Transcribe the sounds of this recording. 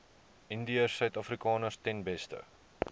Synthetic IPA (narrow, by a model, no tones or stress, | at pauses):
ʔindiəsːœɥtɐfrikɑːnərstɛnbɛstə̰